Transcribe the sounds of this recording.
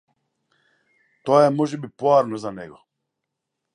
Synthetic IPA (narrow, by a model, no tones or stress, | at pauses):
t̪ɔaɛmɔʒɛbipɔaɾnɔzanɛɡɔ